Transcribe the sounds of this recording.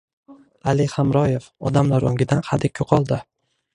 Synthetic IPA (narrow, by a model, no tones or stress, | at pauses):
alɪχamɾɒjefɒ̰d̪amlaɾoŋɡʲɪd̪anhad̪ɪkʲʰoqʰɒlˠd̪ɪ